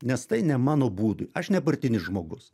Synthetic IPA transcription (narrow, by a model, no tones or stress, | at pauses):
nʲɛst̪ɐɪnʲɛmɑːnoːbuːd̪ʊ̰jɐʃnʲɛpɐɾʲt̪ʲɪnʲɪsʒmoːɡʊs